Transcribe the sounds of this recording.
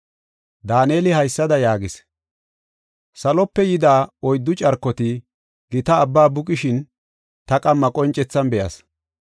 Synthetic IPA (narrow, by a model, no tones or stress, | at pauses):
d̪aːneːlɪhɐjsːɐd̪ɐjaːɡɪs | sɐlɔpːɛjɪd̪aːɔjd̪ːʊt͡ʃʼɐɾkːɔt̪ɪ | ɡ̥ɪt̪ɐːbːaːbʊkʼɪʃɪn | t̪ɐkʼɐmːɐkʼɔnt͡ʃʼɛt͡sːɐnbɛʔɐ̰s